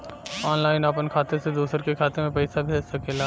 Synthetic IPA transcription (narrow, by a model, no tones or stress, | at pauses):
ɔːnlaːɪnaːpənkʰaːt̪esed̪uːsəɾkekʰaːt̪emẽpɛːsabʱisɐkelaː